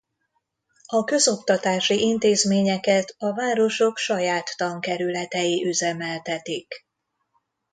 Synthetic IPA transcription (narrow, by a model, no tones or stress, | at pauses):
ɒkø̞zo̞kt̪ɒt̪aːʃiʔint̪eːzmeːɲɛkɛt̪ɒvaːɾo̞ʃo̞kʃɒjaːt̪ːɒŋkɛɾylɛt̪ɛjiʔyzɛmɛlt̪ɛt̪ik